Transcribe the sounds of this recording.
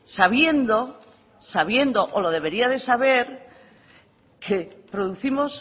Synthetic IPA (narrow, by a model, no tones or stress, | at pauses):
saβje̞nd̪o̞ | saβ̞je̞nd̪oʔolo̞ðe̞β̞e̞ɾiaðe̞saβ̞e̞ɾ | kʰepɾoðuθimo̞s